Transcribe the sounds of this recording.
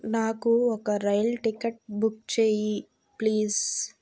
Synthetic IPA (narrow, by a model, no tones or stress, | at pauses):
naːkuɔkɐɾɐjɐlʈikɐʈbukt͡ʃeːji | pliːs